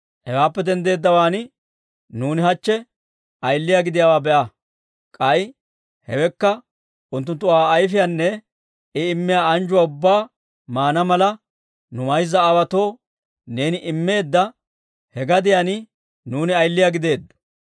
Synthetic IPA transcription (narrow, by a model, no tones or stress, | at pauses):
hɛwaːpːɛd̪ɛnd̪e̞ːd̪ːɐwaːnɪ | nuːnɪhɐt͡ʃːɛ | ʔɐjlːɪjaɡɪd̪ɪjawaːbɛʔɐ | kʼɐj | hɛwɛkːɐ | ʔʊnt̪ːʊnt̪ːʊwaːjfɪjanːɛ | ɪɪmːɪjaːɐnd͡ʒʊwaʊbːaː | maːnɐmɐlɐ | nʊmɐjzːɐːwɐt̪o̞ː | ne̞ːnɪʔɪmːe̞ːd̪ːɐ | hɛɡɐd̪ɪjanɪ | nuːnɪɐjlːɪjaɡɪd̪e̞ːd̪ːʊ̥